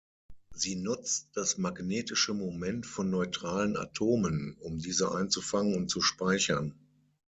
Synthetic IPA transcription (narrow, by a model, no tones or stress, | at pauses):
ziːnʊt͡st̚d̥asmaɡneːtɪʃəmomɛntfɔnːɔʏtʁ̥aːləna̰tʰoːmənʊmdiːzəʔa̰ɪnt͡sufaŋənʊnt̚t͡suʃpaɪçɐn